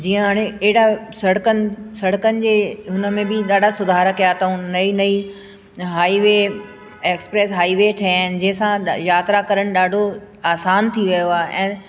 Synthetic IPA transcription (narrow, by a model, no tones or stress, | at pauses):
d͡ʑiːə̃ɦaːɽ̃ẽɐɦɪɽasɐɽəkənɪ̆sɐɽəkənɪ̆d͡ʑeːɦʊnə̆mẽbɪɗaːɖʱasʊd̪ʱaːɾəkɐjat̪ʰaũnɐinɐi | ɦaːiʋe | eːkspɾeːsɦaːiʋeʈʰɐjaːɪnɪ̆d͡ʑɐ̃ɦɪ̃sãjaːt̪ɾakɐɾəɽ̃ɪ̆ɗaːɖʱo | aːsaːnt̪ʰiʋɐjoaːɦeʔɛ̃ː